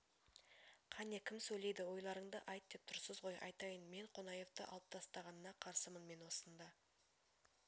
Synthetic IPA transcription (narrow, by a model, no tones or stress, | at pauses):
qʰɑnekʲʰɪmsɵjle̞jd̪ɪwo̞jlˠɑɾəɴd̪əʔɑjt̪̚d̪e̞p̚t̪ʰʊɾsəzʁo̞jʔɑ̰jt̪ɑjənme̞ɴqʰo̞nɑje̞ft̪ə̰ʔɑ̰lˠəp̚t̪ʰɑst̪ɑʁɑnənɑqʰɑɾsəmənme̞nwo̞sənd̪ɑ